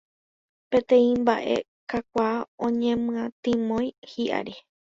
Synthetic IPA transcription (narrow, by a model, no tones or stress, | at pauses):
pẽt̪ẽ̞ĩmbaʔe̞̰ | kak̚ʷaːõɲẽ̞mɨ̃ãt̪ĩmõjhiʔa̰ɾe